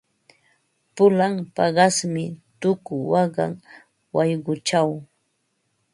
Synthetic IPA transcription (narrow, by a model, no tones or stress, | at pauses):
pʊlampɑɢɑsmɪt̪ʊkʊwɑɢɑ̰ŋ | wajɢʊt͡ʃaw